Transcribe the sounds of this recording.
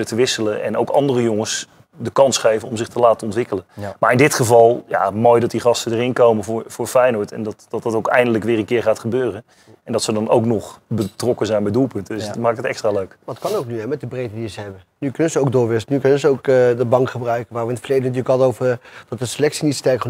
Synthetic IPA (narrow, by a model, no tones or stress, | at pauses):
ətəʋɪsələʔɛ̰no̰wkɑ̰ndərəjoŋəs | dəkɑnsχejvənɔmzɪχtəlaːtəɔntʋɪkələnmaːɹɪndɪtχəvɑlˠja̰moːjdɑt̚diχɑstədərɪnkowməvʊɹvʊːɹfɛjnɔɹtɛ̰ndɑtd̥ɑtɑtowkɛ̰jndələkʋɪːɹənkɪːɹχaːtχəbøːrən | ɛndɑtsədɑno̰wknɔχbətrɔkəzɛjnbɛjdulˠpɵntəsmaːkɪkətɛkstraːløɥkətkɑnowk̚nyɦɛmɛt̚dəbrejdədiəzəɦɛbə | nykɵnənzəowk̚dʊːɹʋɪstənykɵnənzəowkdəbɑŋkχəbrœɥkəʋaːɹʋəɪnətfərlejdənt̬yːləkɦɑləowvəd̥ɑt̚dəsəlɛksinitstɛrɹkχ